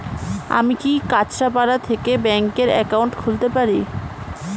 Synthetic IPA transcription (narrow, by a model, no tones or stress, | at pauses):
a̰mikikat͡ɕɾapaɽat̪ʰekebɛŋkeɾɛ̰kawɳʈkʰult̪epaɾi